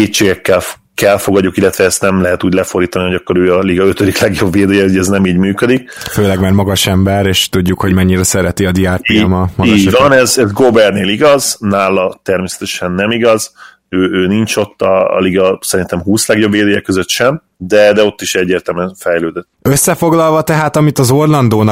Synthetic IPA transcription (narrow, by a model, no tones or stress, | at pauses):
keːt͡ʃeːɡɛkːɛl | kɛlfo̞ɡɒdɟːukilːɛt̪ʋɛɛst̪nɛmlɛɦɛt̪uːɟlɛfo̞rd̪iːt̪ɒniho̞ɟɒkːo̞ɾøːɒliɡɒøt̪ød̪iklɛɡjo̞bːeːd̪eːjɛɟɛznɛmiːɟmyːkød̪ik̚føːlɛɡmɛɾmɒɡɒʃɛmbɛɾeːʃt̪uɟːukho̞ɟmɛɲːiɾɛsɛɾɛt̪iɒd̪iaːrtiːmɒmɒiɡːʃɟvɒnɛzɛzɡobɛrneːliɡɒznaːlɒt̪ɛrmeːsɛ̥t̪ɛʃɛnːɛmiɡɒz | øːøːnint͡ʃo̞t̪ːɒ̰ːliɡɒsɛɾint̪ɛmɦuːslɛɡjo̞bːeːd̪eːjɛkøzøt̪ʃɛm | d̪ɛd̪ɛo̞t̪ːiʃɛɟːeːrt̪ɛlmɛnfɛjløːd̪øt̪ːøsːɛfo̞ɡlɒlvɒt̪ɛɦaːt̪ɒmit̪ɒzo̞rlɒnd̪oːnɒ